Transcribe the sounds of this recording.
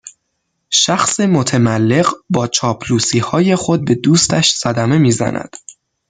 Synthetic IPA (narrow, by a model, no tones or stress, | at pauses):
ʃæxsemot̪ʰemælːe̞ɢbɒːt͡ʃʰɒːpʰluːsiːhɒːje̞xo̞d̪̚be̞d̪uːst̪æʃsæd̪æme̞miːzæ̰næ̰d̪̥